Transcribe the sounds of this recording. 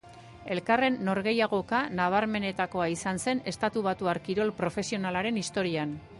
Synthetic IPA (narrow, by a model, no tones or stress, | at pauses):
e̞lkare̞nːo̞ɾɣe̞jaɣ̞o̞kanaβ̞aɾme̞ne̞t̪ako̞aisanse̞ne̞st̪at̪uβat̪uaɾkiɾo̞lpɾo̞fe̞sio̞nalaɾe̞nist̪o̞ɾian